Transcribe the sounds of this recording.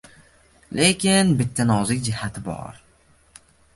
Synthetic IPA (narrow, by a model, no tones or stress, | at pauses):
lʔekʲɪnbɪt̪ʰːanɒzɪkʲd͡ʒɪhat̪ʰɪbɒ̰ɾ